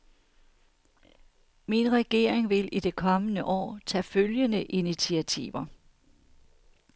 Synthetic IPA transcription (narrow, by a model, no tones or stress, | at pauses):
minʁɛɡ̥e̝ːɐ̰eŋʋe̝lid̥e̝kʰɒ̽mənəʔɒ̰ːt͡sʰɛ̰ːføljənəʔinit͡sʰiæt͡sʰḭːʋɐ